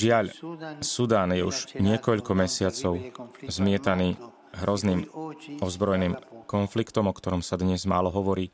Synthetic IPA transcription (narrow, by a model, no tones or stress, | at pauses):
ʒɪaʎsud̪aːnjɛuʒɲɪɛkɔʎkɔmɛsɪat͡sɔʊzmɪɛt̪aniː | ɦɾɔzniːmɔzbɾɔjɛniːmkɔnflikt̪ɔmɔkt̪ɔɾɔmsad̪ɲɛzmaːlɔɦɔʋɔɾiː